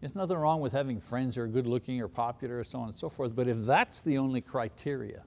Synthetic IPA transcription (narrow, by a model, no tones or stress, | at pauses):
ɨsnʌθɪ̃ŋɹɔ̃ŋwɨð̥hævɪ̃ŋfɹɛ̃ndzə˞ɡʊdˡlʊkɪ̃ŋə˞pʰɑpjl̩ˠə˞əsoʊɑ̃ñn̩soʊfɔɹθb̥ʌɾɨfðætsðiõʊ̃nlikʰɹ̥aɪtʰɪɹḭɨ̰